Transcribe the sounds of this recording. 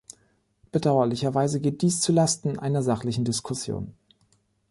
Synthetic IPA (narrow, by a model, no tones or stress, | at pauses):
b̥ədaʊɐlɪçɐvaɪzəɡeːt̚d̥iːst͡sulastn̩ʔa̰ɪnɐzaχlɪçn̩dɪskʰʊsjo̰ːn